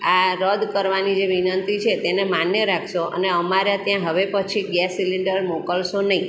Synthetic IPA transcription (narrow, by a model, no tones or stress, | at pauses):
aɾəd̪kəɾʋanid͡ʒeʋinənt̪it͡ʃʰet̪enemanjəɾakʰʃoʔə̰neəmaɾjat̪jãɦəʋepət͡ʃʰiɡjɛsiliɳɖəɾmokəlʃonəĩ